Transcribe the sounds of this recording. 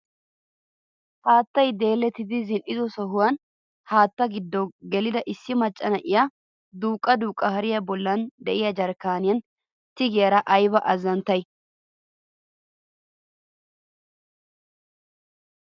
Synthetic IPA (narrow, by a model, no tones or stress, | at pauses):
haːt̪ːɐjd̪e̞ːlːɛt̪ːɪd̪ɪzɪnʔɪzɔsɔɦʊwɐn | haːt̪ːɐɡɪd̪ːɔɡɛlɪd̪ɐʔɪsːɪmɐt͡ʃʼːɐnɐʔɪja | d̪uːkʼːɐd̪uːkʼːɐhɐɾɪjɐbɔlːɐnd̪ɛʔɪjɐd͡ʒɐɾkaːnɪjɐn | t̪ɪɡɪjɐɾɐʔɐjbɐʔɐzɐnt̪ːɐj